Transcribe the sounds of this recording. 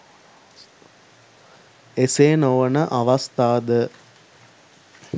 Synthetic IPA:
eseːnoʋənəʔaʋast̪aːd̪ə

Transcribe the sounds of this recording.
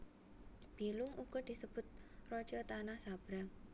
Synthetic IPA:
b̥ilʊŋuɡ̥ɔd̪̥i̤səb̥ʊ̤t̪̚rɔ̥d͡ʒɔt̪anahsab̥ɾaŋ

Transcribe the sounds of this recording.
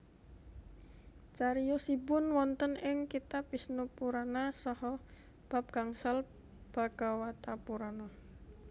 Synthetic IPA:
t͡ʃaɾijɔsibʊnwɔnt̪ənɪŋkit̪apisnupuɾanasɔhɔ | b̥a̤p̚ɡ̥aŋsal | b̥a̤ɡ̥awat̪apuɾana

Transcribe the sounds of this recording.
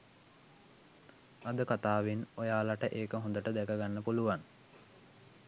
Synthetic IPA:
ad̪əkat̪aːʋinojaːlaʈəʔeːkəɦõnd̪əʈəd̪ɛkəɡanːəpuluʋan

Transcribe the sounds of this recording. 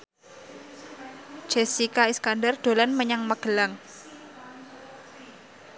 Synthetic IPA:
d͡ʒ̥ɛsikaiskandərd̪̥o̤lanməɲaŋməɡ̥ə̤laŋ

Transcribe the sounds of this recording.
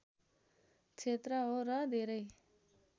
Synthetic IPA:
t͡ʃʰet̪ɾʌɦoɾʌd̪ʱeɾʌj

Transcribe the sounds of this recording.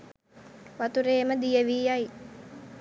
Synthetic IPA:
ʋat̪uɾeːməd̪ijəʋiːaj

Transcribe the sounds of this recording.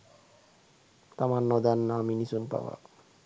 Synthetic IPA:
t̪amanːɔd̪anːaminisunpa̰wa̰

